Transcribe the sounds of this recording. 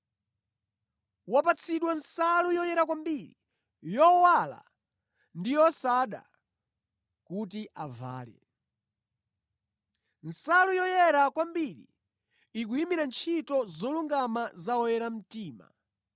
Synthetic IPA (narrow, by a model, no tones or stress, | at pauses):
wap̬at͡sʰiɗwansalujɔjɛɾakwambiɾi | jɔwala̰ | ndijɔsaɗa̰ | kutiʔava̰ːlɛ̰ | nsalujɔjɛɾakwambiɾḭ | ik̬uimiɾant͡ʃʰitɔzɔluŋɡamazaɔjɛɾam̩tiːma̰